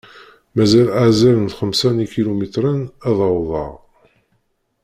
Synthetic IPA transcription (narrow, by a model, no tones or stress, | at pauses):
mæzælazælənθχəmsænikilumit̪ɾənæðˤəwðˤɑ̰ʁ